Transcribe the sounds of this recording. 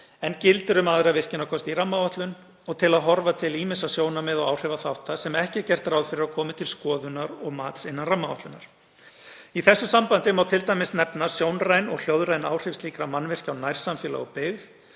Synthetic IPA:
ɛncɪlt̪ʏɾʏmaðɾavɪr̥cɪnakʰɔst̪iramːavaht̪lʏn | ɔɣt̪ʰɪlaðɦɔɾvat̪ʰɪliːmɪsasjoːwnamɛðɔɣawr̥ɛvaθawht̪asɛmɛhcɪcɛr̥t̪rawðfɪɾɪɾakʰɔːmɪt̪ʰɪlskɔːðʏnaɾɔɣmaːt̪sɪnːanramːavat̪lʏnaɾ̥ | iθɛsːʏsampant̪ɪmawt̪ʰɪlt̪ajmɪsnɛpnḁsjoːwnrajnɔ̰ɣl̥joːwðɾajnaːwr̥ɪfsliːkɾamanːvɪr̥cawnajɾ̥samfɛːla̰ɔɣpɪɣð

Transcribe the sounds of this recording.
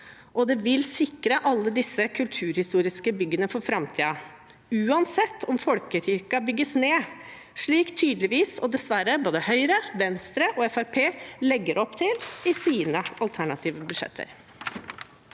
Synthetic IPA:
ʔɔd̪ɛʋɪlsɪkɾəʔɑlːəd̪ɪsːəkʰʉlt̪ʰʉːɾhɪst̪uːɾɪskəbʏɡːənəfɔːɾfɾɑmt̪ʰiːɑ | ʉːɑnsɛt̪ːɔmfɔlkətʏɾkɑbʏɡːəsneː | ʂɭiːkt̪ʰyːd̪lɪʋiːsɔd̪ɛsʋæɾəboːd̪əhœʏɾəʋɛnst̪ɾəʔɔɛfæɾpʰeːlɛɡːəɾʔɔpːt̪ʰɪlɪsiːnəɑlt̪ʰæɳɑt̪ʰiːʋəbʉd̪ʂɛ̰t̪ʰːə̰ɾ

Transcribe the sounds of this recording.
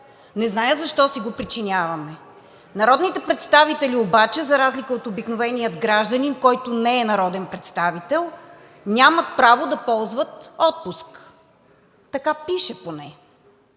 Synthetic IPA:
nɛznajəzɐʃt̪ɔsiɡopɾit͡ʃinʲavɐmɛ | nɐɾɔd̪nit̪ɛpɾɛt̪st̪avit̪ɛliobat͡ʃɛzɐɾazlikəot̪obiknovɛnijəd̪ɡɾaʒd̪ɐninkɔjt̪onɛɛnɐɾɔd̪ɛnpɾɛt̪st̪avit̪ɛlˠ | nʲamət̪pɾavod̪ɐpɔlˠzvət̪ɔt̪̚pusk | t̪ɐkapiʃɛponɛ

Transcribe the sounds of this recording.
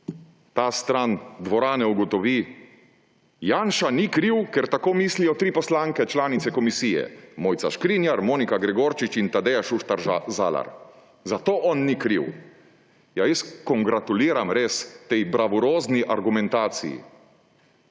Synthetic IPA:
t̪aːst̪ɾand̪ʋɔɾaːnɛuɡɔt̪ɔʋiː | jaːnʃanikɾiwkɛɾt̪akoːmiːslijɔt̪ɾiːpɔslaːŋkɛt͡ʃlaːnit̪sɛkɔmisijɛ̰moːjt̪sa̰ʃkɾinjaɾmoːnikaɡɾɛɡoːɾt͡ʃit͡ʃint̪ad̪ɛjaʃuʃt̪aɾza̰la̰ɾ | zat̪oːʔɔnːikɾiw | jajəskɔŋɡɾat̪uliːɾamɾeːst̪ɛjbɾaʋɔɾoːzniʔaɾɡumɛnt̪aːt̪sḭjḭ

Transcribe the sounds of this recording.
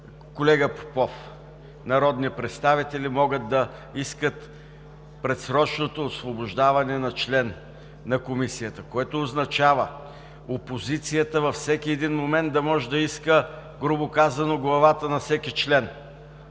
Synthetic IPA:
kolɛɡəpo̥pɔf | nɐɾɔd̪nipɾɛt̪st̪avit̪ɛlimɔɡət̪̚d̪ɐ | iskət̪ | pɾɛt̪sɾɔt͡ʃnot̪oːsvoboʒd̪avɐnɛnɐt͡ʃlɛn | nɐkomisijət̪əkoɛt̪oːznɐt͡ʃavə | opozit̪sijət̪əvɐfsɛkʲiɛd̪inmomɛnd̪̚d̪ɐmɔʒɛd̪ɐiskəɡɾʊbokazɐnoɡlˠɐvat̪ənɐfsɛkit͡ʃlɛn

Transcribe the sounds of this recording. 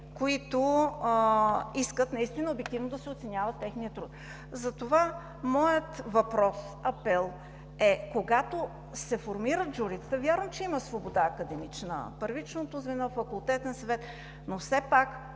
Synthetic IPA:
koit̪o | iskət̪nɐist̪inəobɛk̚t̪ivnod̪ɐsɛot̪sɛnʲavət̪ːɛxnijət̪ɾut̪ | zɐt̪ova | mɔjət̪vɐpɾɔs | ɐpɛlˠ | ɛkoɡat̪o | sɛfoɾmiɾət̪d͡ʒuɾit̪ə̥t̪əvʲjaɾvəmt͡ʃɛiməsvobod̪aːkəd̪ɛmit͡ʃnə̰pəɾvit͡ʃnot̪ozvɛnɔfːɐkʊlˠt̪ɛt̪ɛnsɐvɛt̪ | nofsɛpak

